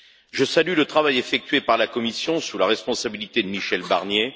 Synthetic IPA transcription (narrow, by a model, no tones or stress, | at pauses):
ʒəsalylət̪χavajefɛk̚t̪ɥepaʁlakɔmisjɔ̃sulaʁɛspɔ̃sabilit̪ed̪əmiʃɛlba̰ʁnje